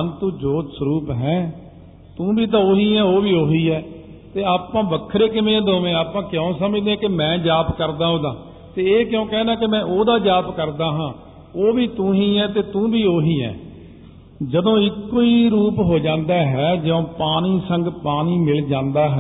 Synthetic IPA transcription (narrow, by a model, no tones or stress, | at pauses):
ənt̪ũːd͡ʒoːt̪sɾuːpɦɛ̃ː | t̪ũːbiːt̪ãːoːɦiːɛːoːʋiːoːɦiːɛː | t̪eːaːpːãːʋəkʰːɾeːk̬ɪmẽːd̪oːʋẽːaːpãːkɪjõːsəməd͡ʒd̪ẽːkemɛ̃ːd͡ʒaːpkəɾd̪ãːɦoːd̪ãː | t̪eːeːkjõːkɛ̃ːnaːkɪmɛ̃ːʔoːd̪aːd͡ʒaːpkəɾd̪aːɦãː | oːʋiːt̪ũːɦiːɛːt̪eːt̪ũːbiːoːɦiːɛ̰ː | d͡ʒəd̪õːɪkːoːiːɾuːpɦoːd͡ʒãːnd̪aːɦɛːd͡ʒɪõːpaːniːsəŋɡpaːniːmɪld͡ʒãːnd̪aːɦɛ